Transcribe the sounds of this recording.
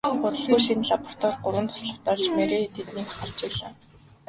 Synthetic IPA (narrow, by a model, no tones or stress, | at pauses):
ʊt̪ə̆ɮɣujʃinɮapɔ̥r̥t̪ʰɔːrɢʊɾwə̆nt̪ʰʊ̥sɮə̆w̥t̪ɔːɮt͡ɕmeɾeːt̪ʰet̪niːkḁχə̆ɮt͡ɕiːɮə̆ːn